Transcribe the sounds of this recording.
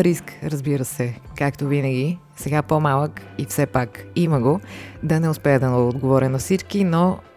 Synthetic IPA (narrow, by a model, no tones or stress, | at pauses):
ɾiskɾɐzbiɾəsɛkakt̪ovinɐɡʲi | sɛɡapomalˠəkifsɛpakiməɡod̪ɐnɛʊspɛəd̪ɐod̪ɡovɔɾʲənɐfsit͡ʃkino